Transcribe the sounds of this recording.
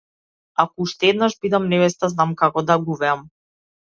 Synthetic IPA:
akɔuʃt̪ɛɛd̪naʒbid̪amnɛvɛst̪aznamkakɔd̪aɡuvɛam

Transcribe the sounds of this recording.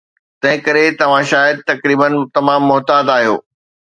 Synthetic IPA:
t̪ɐ̃ɦɪ̃kɐɾet̪ɐʋ̤ãʃaːjəd̪̚t̪ɐkɾiːbənt̪ɐmaːmːʊɦt̪aːd̪aːɦijo̰ː

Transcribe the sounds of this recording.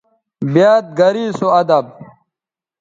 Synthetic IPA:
bjaːt̪̚ɡɐɾiːsoɐd̪ɐb̚

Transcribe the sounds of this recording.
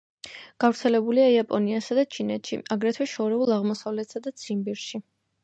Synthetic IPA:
ɡ̥avɾt̪sʰɛlɛbuliaiapʼɔniasad̪at͡ʃʰinɛt̪ʃḭʔaɡɾɛt̪ʰwɛʃɔɾɛulˠaʁmɔsavlɛt̪sad̪at̪sʰimbiɾʃi

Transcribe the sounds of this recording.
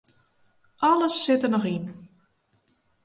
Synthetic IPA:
ʔɔləsːɪtənɔxin

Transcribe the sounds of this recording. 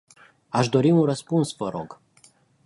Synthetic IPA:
aʃd̪o̞ɾiunrəspunsvəɾo̞̰ɡ̥

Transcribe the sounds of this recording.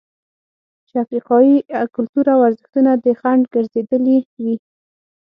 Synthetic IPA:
t͡ʃeafɾiqɑjikʊlt̪uɾawaɾzəxt̪unad̪əxaɳɖɡəɾzed̪əliwi

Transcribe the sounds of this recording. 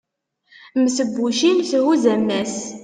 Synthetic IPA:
msəbːuʃimsɦuzæmːæs

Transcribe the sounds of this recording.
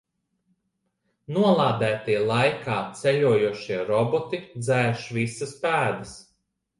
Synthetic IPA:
nuɔlˠaːd̪æːt̪iɛlˠajkaːt̪sɛʎʲuɔjuɔʃiɛɾɔbɔt̪id̪zæːʃvisɐspæːd̪ɐs

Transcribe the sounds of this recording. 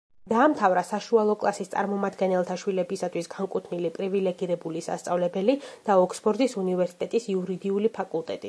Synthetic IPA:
d̪̥aːmt̪ʰavɾasaʃualˠɔkʼlˠasist̪sʼa̰ɾmɔmad̪ɡɛnɛlˠt̪ʰaʃwilɛbisat̪ʰwisɡaŋkʼut̪ʰnilipʼɾivilɛɡiɾɛbulisa̰st̪sʼavlɛbɛlid̪̥aɔkʰsbʰɔɾd̪isunivɛɾsi̥t̪ʼɛt̪ʼisiuɾid̪iulipʰakʼulˠt̪ʼɛt̪ʼi

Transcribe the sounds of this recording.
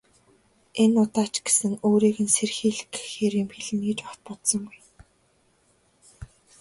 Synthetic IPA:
enʊt̪aːt͡ɕɡ̥esɘ̆ŋoːɾiːɣɘ̆nserxiːɮɘkxeːɾĭːmxeɮ̆niːt͡ɕaχt̪̚pɔt̪sɞ̆ŋɡuj

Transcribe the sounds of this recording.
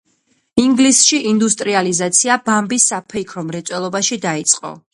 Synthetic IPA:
iŋɡlisʃiʔind̪ust̪ʼɾializat̪sʰiabambisːapʰɛikʰɾɔmɾɛt̪sʼwɛlˠɔbaʃid̪ait̪sʼqʼɔ̰

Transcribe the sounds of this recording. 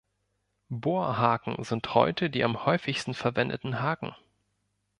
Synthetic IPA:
boːɐɦaːkŋ̩zɪnthɔ̰ʏtʰədiːʔamhɔʏfɪçstn̩fɛɐvɛndə̰tn̩ɦaːkŋ̩

